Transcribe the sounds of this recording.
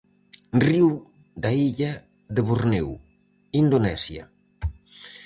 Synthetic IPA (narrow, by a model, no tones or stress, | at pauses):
riw | d̪aiʎɐ | ðeβuɾnew | ind̪onɛsjɐ̰